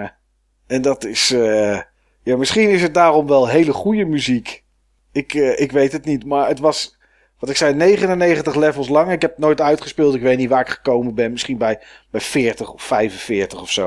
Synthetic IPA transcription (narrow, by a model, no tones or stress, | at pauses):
ɛndɑtɪs | jaːmɪsχinɪsɦət̚daːrɔmʋɛlˠɦejləχujəmyzik | ɪkɪkʋejtɦətnitmaːɹətʋɑs | ʋɑtɪksɛjnejχənənejχəntəχlɛvəlˠslɑŋəɪkɛp̚nojtœɥtχəspɪːlˠtɪkʋejtnitʋaːɹɪkχə̥kowmənbɛnmɪsχinbɛj | bɛjfɪːɹtəχɔfːɛjvənfɪːɹtəχɔfso